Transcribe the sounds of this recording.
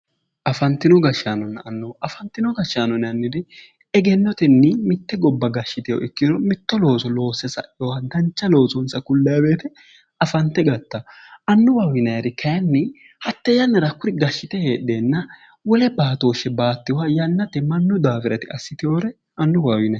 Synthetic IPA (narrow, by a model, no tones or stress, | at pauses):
ʔɐfɐnt̪ːɪnɔɡɐʃːaːnɔnːɐnːoʔɐfɐnt̪ːɪnɔɡɐʃaːnɔnɪɐnːɪd̪ɪ | ɛɡɛnːɔt̪ɛnːɪmɪt̪ːɛɡɔbːɐɡɐʃːɪt̪ɪjɔ̰ʔɪkːɪnɔmɪt̪ːɔlo̞ːsɔlo̞ːsɛsɐ̰ʔɪɔwɐd̪ɐnt͡ʃːɐlo̞ːsɔnsɐkʊlːɐjɐbe̞ːt̪ɛ | ɐfɐnt̪ːɛɡɐt̪ːɐ | ʔɐnːʊwaːwɪnɐjɾɪkʰɐjɐnːɪ | hɐt̪ːɛjɐnːɐɾɐkʊɾɪɡɐʃːɪt̪ɛhe̞ːᶑːe̞ːnːɐ | wɔlɛbaːt̪o̞ːʃːɛbaːt̪ːɪwajɐnːɐt̪ɛmɐnːʊd̪aːfɪɾɐt̪ɪɐsːɪt̪ɪjoːɾɛ | ʔɐnːʊwaːwɪnɐ